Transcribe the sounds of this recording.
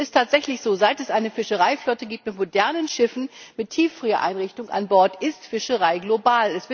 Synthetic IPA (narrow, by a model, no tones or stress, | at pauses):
ɪstʰaːtz̥ɛçlɪçz̥oːzaɪtɛsʔaɪnəfɪʃəʁaɪflɔtəɡiːp̚tmɪtmodɛɐnənʃɪfn̩mɪttʰːiːfʁ̥yːɐ̰ʔa̰ɪnʁɪçtʊŋʔa̰nbɔɐtɪstfɪʃəʁaɪɡlobaːlɛsv̥ɪ